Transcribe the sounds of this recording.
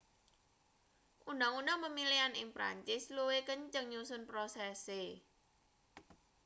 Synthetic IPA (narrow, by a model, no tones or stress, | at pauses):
ʔunaŋunaŋpəmilianɪŋpɾa̰ɲt͡ʃɪsluwekəɲt͡ʃəŋɲusʊnpɾosɛse